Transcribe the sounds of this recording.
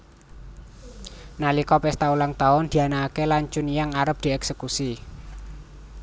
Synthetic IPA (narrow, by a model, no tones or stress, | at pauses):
nalikɔpɛst̪aulaŋt̪aʊnd̪̥i̤anaːkelaɲt͡ʃʊnijaŋaɾəp̚d̪̥i̤ɛksəkusi